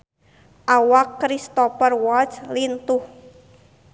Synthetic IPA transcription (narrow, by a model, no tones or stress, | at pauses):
ʔawakːɾist̪ɔfərwɔt͡ʃlint̪ʊh